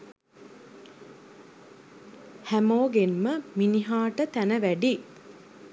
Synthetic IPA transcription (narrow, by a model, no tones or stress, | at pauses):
hæmoːɡenməminiɦaːʈət̪ænəʋæɖi